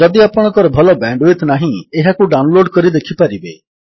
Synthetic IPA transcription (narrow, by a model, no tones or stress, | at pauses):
d͡ʒɔd̪iapɔɽ̃ɔ̃ŋkɔɾɔbʱɔlɔbɛɳɖet̪naɦĩeɦakuɖawnloɖkɔɾid̪ekʰipaɾibe